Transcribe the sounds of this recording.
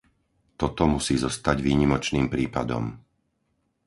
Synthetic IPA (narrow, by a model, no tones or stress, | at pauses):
t̪ɔt̪ɔmusiːzɔst̪aɟʋiːɲimɔt͡ʃniːmpɾiːpad̪ɔ̰m